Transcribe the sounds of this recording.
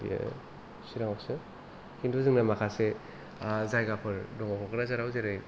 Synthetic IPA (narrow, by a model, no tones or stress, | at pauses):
ḭja̰ | siɾaŋaksɯ | hinduzɯŋnamakʰase | zajɡapʰɯɾdɔŋakʰɔkɯɾazaɾawzeɾɯj